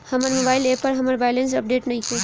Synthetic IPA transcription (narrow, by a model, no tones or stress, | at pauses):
hɐməɾmobaːɪleːpɐɾɦɐməɾbaːɪlẽns̬ɐp̚ɖeːʈnɐɦĩkʰo